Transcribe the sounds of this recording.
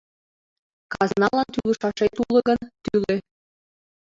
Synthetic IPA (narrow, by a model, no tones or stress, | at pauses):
kɑznɑlˠɑnt̪ylɤ̆ʃɑʃejt̪ulˠɤ̆ɣɤ̆nt̪ylĕ